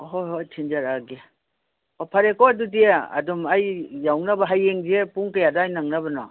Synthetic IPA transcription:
ɦojɦojtʰind͡ʒaɾaɡe | ɔpʰaɾekɔadudiaa̰dɔmajːawŋnabaɦajːeŋdepuŋkajadaːjnaŋnabɐnɔ̰

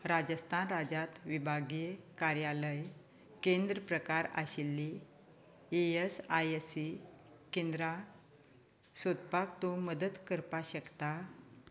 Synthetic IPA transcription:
ɾad͡ʑəst̪ʰanɾad͡ʑat̪ʋibʱaɡekaɾjaləj | kend̪ɾəpɾəkaɾa̰ɕilːi | eesajesi | kend̪ɾa | sot̪̚pakt̪oməd̪ət̪kəɾpaɕəkt̪a

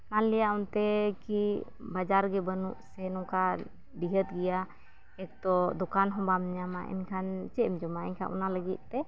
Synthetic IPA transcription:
manlɛjaʔunt̪ɛki | bad͡ʒaɾɡɛbənṵʔsɛnɔka | ɖiɦət̪̚ɡɛja | ɛk̚t̪ɔd̪ɔkanɦɔ̃bamɲama̰ʔɛ̰nkʰant͡ʃɛmd͡ʒɔmaɛ̰ɲkʰa̰ʔṵnaləɡit̪̚ˀt̪ɛ

